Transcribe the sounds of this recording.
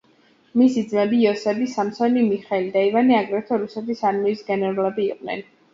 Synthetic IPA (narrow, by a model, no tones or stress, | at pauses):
misid̪zmɛbiɔsɛbisamsɔnimiχɛlid̪aivaniaɡɾɛt̪ʰɔɾusɛt̪ʰisaɾmiisɡɛnɛɾulɛbiːqʼnɛ̰n